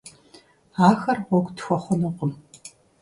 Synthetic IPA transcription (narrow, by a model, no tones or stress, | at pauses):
aːxɐrʁʷɔɡʷtxʷɔχʷʊnɨqʼəm